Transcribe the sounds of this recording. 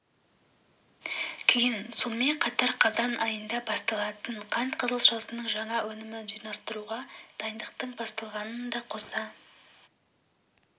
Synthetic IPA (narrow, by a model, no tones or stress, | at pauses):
kʲʰejɪnso̞nəme̞ɴqʰɑt̪ɑɾqʰɑzɑnɑjənd̪ɑbɑst̪ɑlˠɑt̪əɴqʰɑnt̪qʰəzəlˠʃɑsənəɴʒɑɴɑwɵnɪmɪnʒijnɑst̪əɾuʁɑd̪̥ɑjnd̪əqt̪əɴbɑst̪ɑlˠʁɑnənd̪ɑqʰo̞sɑ